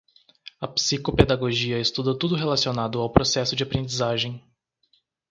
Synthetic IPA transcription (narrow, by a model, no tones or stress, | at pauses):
ɐpsikoped̪aɡoʒiɐest̪ud̪ɐt̪ud̪ʊɦelasionad̪ʊawpɾosɛsʊd͡ʒɪapɾẽnd͡ʒizaʒẽj̃